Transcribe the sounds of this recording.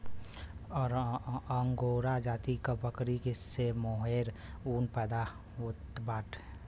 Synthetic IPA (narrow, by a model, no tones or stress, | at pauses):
ɔːɾəŋɡoɾad͡ʒaːt̪ikabəkɾikɪsemoːɦeːɾuːnpɛd̪a | ʊt̪baːʈʰ